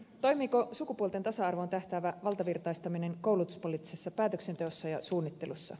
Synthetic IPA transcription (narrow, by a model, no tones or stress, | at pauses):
t̪o̞jmiːko̞sukupuot̪et̪ɑsɑɑrʋo̞nt̪æht̪æːʋæʋɑlt̪ɑʋirt̪ɑjst̪ɑmine̞ŋko̞wlut̪u̥spo̞liːt̪ːisesːɑpæːt̪økse̞nt̪e̞o̞sːɑjɑsuːnːit̪ːe̞lusːɑ̰